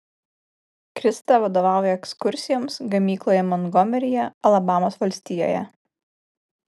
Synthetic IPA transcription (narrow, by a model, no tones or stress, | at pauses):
kɾʲɪst̪ɑˑʋɐd̪oːʋɑˑʊjɛɛkskʊɾʲsʲɪjoːmsɡɐmʲiːklˠoːjɛmɔnɡɔmʲɛɾʲɪjɛɐlˠɐbɑːmoːsʋɐlʲsʲt̪ʲiːjo̰ːjɛ̰